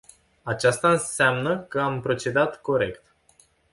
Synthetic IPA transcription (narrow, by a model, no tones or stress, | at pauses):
at͡ʃast̪aɨnseamnəkəampɾo̞t͡ʃe̞d̪at̪ko̞ɾe̞kt̪